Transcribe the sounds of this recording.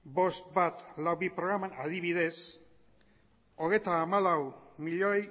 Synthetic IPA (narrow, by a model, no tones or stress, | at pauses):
bo̞st̪bat̪lawβipɾo̞ɣ̞ɾamanaðiβiðe̞s | o̞ɣ̞e̞jt̪aːmalawmiʎoj